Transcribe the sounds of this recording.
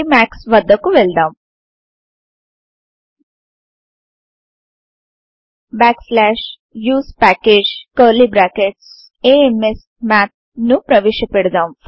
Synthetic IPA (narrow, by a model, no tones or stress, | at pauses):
mæːksʋɐd̪ːɐkːuʋeɭd̪aːm | bæːkslæːʂ | juːspæːkeːd͡ʒkəɾlibɾaːkeʈs | eːemes | maːt̪̚ | nupɾɐʋeʃɐpeɽd̪aːm